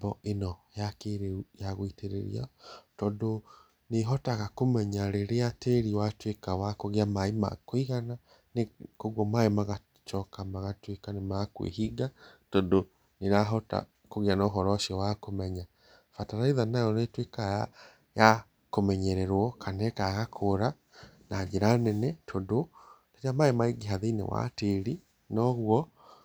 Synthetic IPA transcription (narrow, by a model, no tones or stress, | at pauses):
bɔenɔjakeɾejaɣoiteɾḛɾḭa̰tɔndo | neɦɔtaɣakomɛɲaɾeɾeateɾiwatwekawakoɣeamaima̰koiɣana | nekoɣɔmaemaɣa | t͡ʃɔkamaɣatwekanemakwḛɦiɡatɔndo | neɾaɦɔta̰ | koɣianɔːɦɔɾɔʃiɔwakomɛɲa | fataɾaiðanajɔnetwekaja | ja | komɛɲɛɾɛɾwɔkʰanɛkaɣakʰoɾa | naeɾanɛnɛtʰondodat͡ʃamaemaiɡiɦaðenḛwa̰teɾi | nɔɣwɔ